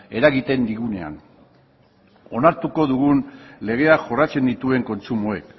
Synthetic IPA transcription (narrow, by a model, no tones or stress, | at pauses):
e̞ɾaɣit̪e̞nd̪iɣune̞a̰n | o̞naɾt̪uko̞ðuɣunle̞ɣ̞e̞aʝo̞rat͡se̞nd̪it̪ue̞ŋko̞nt͡sumoe̞k